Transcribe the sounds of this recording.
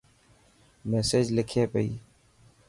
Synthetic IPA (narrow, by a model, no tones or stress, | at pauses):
meːseːd͡ʒlɪkʰeːpeḭː